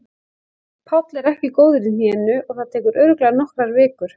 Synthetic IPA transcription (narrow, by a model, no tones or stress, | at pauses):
pʰawt̪lɛɾɛhcɪkoːwðʏɾɪn̥ɛːnʏʔɔɣθaðt̪ʰɛːkʏɾœɥɾʏklɛːɣaɾnɔhkɾaɾvɪːkʏɾ̥